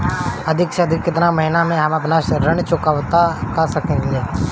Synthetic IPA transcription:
ɐd̪ʱɪkseɐd̪ʱɪkːɪt̪namɐɦɪnamẽɦɐmɐpnasɾənt͡ʃʊkaːwt̪akasɐkẽleː

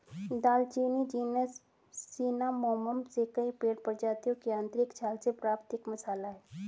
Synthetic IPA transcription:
d̪aːlt͡ʃiːnid͡ʒiːnəsː | iːnamɔːməmsekəipeːɽpəɾd͡ʒaːt̪ijõkiãːnt̪ɾɪkt͡ʃʰaːlsepɾaːpt̪ɪkmɐsaːlaɦɛː

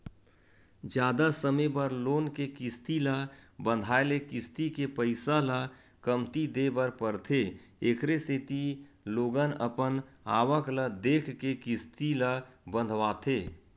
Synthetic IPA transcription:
d͡ʒjaːd̪asəmebəɾloːnkekɪst̪iləbə̃nd̪ʱaːelekɪst̪ikepəɪsala | kəmt̪id̪ebəɾpəɾt̪ʰe | ekʰɾeseːt̪i | loːɡənəpəna̰ːwəkləd̪eːkʰkekɪst̪iləbə̃nd̪ʱʋaːt̪ʰeː

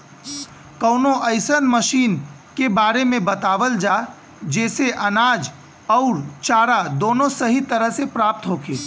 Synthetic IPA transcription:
kəʊnoʔəɪsənməʃiːn | kebaːɾemẽbət̪aːʋəld͡ʒa | d͡ʒɛːseʔənaːd͡ʒ | ɔʊɾt͡ʃaːɾad̪oːnosəɦit̪əɾəɦsepɾaːp̚t̪ɦokeː

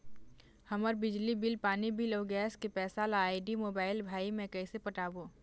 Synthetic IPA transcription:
hɐməɾbɪd͡ʒlibɪlpaːnibɪlɔːɡɛːskepɛːsalaːiɖimoːbaːɪlbʱaːimẽkɛɪsepəʈaːboː

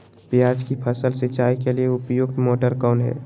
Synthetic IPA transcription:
pijaːd͡ʒkipʰəsəlset͡ʃaːikelieʊpjuɡt̪moːʈəɾkɔːnɦɛ̰ː

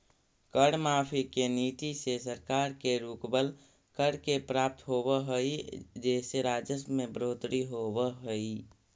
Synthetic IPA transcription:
kəɽmaːpʰikeniːt̪isesəɾkaːɾkeɾukbəl | kəɽkepɾaːp̚t̪ɦoːbəɦəid͡ʒɛːseɾaːd͡ʒəsmẽbɾoːt̪ɾiɦobəɦəi

